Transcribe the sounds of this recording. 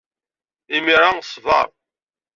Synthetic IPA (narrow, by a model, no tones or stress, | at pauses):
imiɾasˤvɑ̰ɾˤ